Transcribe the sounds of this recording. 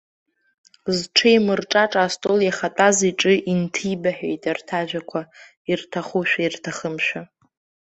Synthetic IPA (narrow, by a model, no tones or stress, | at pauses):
zʈ͡ʂʰejmɨrʈ͡ʂʼaʈ͡ʂʼastʼoljaχatʼaziʈ͡ʂʼɨʔintʰibaħᶣḛjtʼartʰaʒᶣakʷʰa | irtʰaχuʃᶣairtʰaχəmʃᶣa